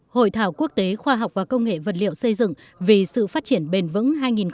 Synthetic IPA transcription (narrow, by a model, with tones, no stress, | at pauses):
ho̰˧˨jt̪ʰaː˧˩wku˦˥ək̚t̪e˨˦xwaː˧ɦa˨˩wk͡p̚vaː˨˩kə˧wŋ͡mŋḛ˧˨və˨˩t̚lḭ˧˨əwsə˧jzɨ̰˧˨ŋ | vi˨˩sɨ̰˧˨faː˦˥t̚t͡ɕi˧˩ənɓe˨˧ənvɨ̰˧˥ŋɦaː˧jŋi˨˩n